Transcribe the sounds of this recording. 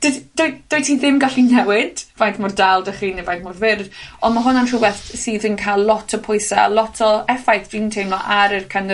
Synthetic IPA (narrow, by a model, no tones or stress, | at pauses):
d̥od̥ʊjd̥ojtʰiðɪmɡaɬinɛwɪd̥vajntmʊrdalˠdəχiːnivajθmʊrvɪrdɔnmaɦʊnantr̥uwɛθtsiːðənkʰajllɔtʰəpʰʊjsaa̰lɔtʰɔɛfajθd̥intʰejmlɔʔaɾərkʰanə